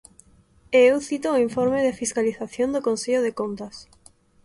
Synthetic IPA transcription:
eewθit̪oiɱfoɾmeðɪfiskaliθaθjõnd̪okonseʎoðekont̪ɐs

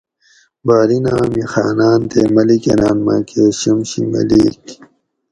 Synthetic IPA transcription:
baːɾinaːmixaːnaːnt̪emɐlikenaːnmakʰeːɕimɕimɐ̰lik

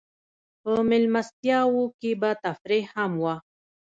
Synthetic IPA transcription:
pəmɪlmast̪jawukibat̪afɾihamwa

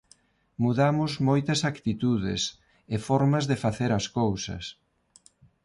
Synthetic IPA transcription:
muðamʊzmojt̪ɐsakt̪it̪uðɪ̰s | ɪfɔɾmɐzðɪfaθeɾɐskowsɐ̰s

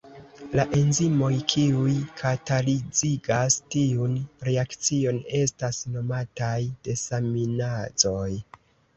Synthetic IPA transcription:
laʔe̞nzimo̞jkʰiujkʰatalid͡ziɡastiunɾe̞akt͡sio̞ne̞stasno̞matajd̥e̞saminad͡zo̞j

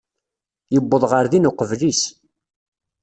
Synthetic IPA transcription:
jəbːəðˤʁəɾðinʊqəvlis

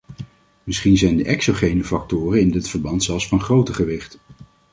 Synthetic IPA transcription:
mɪsχinzɛjndəʔɛksoχejnəfɑk̚tʊːrənɪndɪtfəɹbɑntsɛlˠsfɑnχrowtəχəʋɪχt

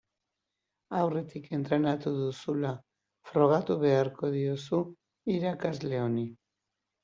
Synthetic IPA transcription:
awre̞t̪ike̞nt̪ɾe̞nat̪uðusula | fɾo̞ɣ̞at̪uβ̞e̞aɾko̞ðiosu | iɾakazle̞o̞ni

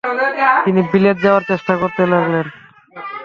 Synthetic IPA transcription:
t̪inibilet̪̚d͡ʑaoaɾt͡ɕeʃʈakoɾt̪elaɡlen

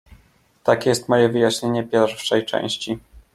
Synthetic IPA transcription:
t̪akʲɛjɛst̪mɔjɛvɘjaɕɲeɲɛpʲjɛɾfʂɛjt͡ʂɛ̰̃w̃ɕt͡ɕi

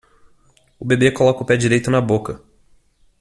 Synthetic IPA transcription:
ʊbebekolɔkɐʊpɛd͡ʒiɾejt̪ʊnɐbokɐ

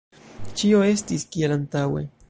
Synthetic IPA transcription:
t͡ʃio̞e̞stiskielant̪awe̞̰

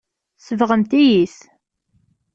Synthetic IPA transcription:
səvʁəmt̪ijiθ

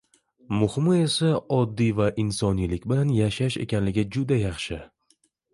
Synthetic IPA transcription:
mʊhmɪe̞saɒd̪ːijvaʔɪnsɒnijlɪkʲbɪlanjaʃaʃe̞̰kʲanlɪɡʲɪd͡ʒʊd̪ajɑχʃɪ

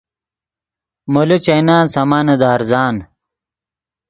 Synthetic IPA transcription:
molut͡ɕɐjnaːnsɐmaːnɐd̪aːɾzaːn

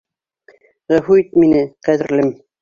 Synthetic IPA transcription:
ʁæfuit̪minɘqæðɘ̆ɾlɘm

